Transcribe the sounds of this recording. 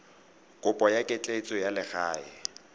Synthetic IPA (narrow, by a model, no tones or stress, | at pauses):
kʼʊpʼɔjakʼɪt͡ɬʼet͡sʼɔjalɪχaːɪ